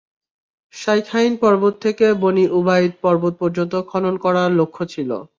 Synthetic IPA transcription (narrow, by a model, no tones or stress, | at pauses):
ʃajkʰajnpɔɾbot̪ʰːekeboniʔubajɾ̚pɔɾbot̪̚pɔɾd͡ʑont̪okʰɔnonkɔɾaɾlokʰːot͡ɕʰilo̰